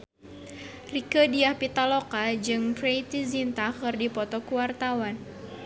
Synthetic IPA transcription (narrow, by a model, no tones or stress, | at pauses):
rikədiahpit̪alokad͡ʒɨŋpɾejt̪izint̪akɨrdipɔt̪ɔkuwart̪awan